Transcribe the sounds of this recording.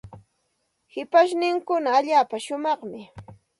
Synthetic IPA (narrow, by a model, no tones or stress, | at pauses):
hɪpaʃ̬nɪŋkʊnaːʎaːpaʃʊmɑχmɪ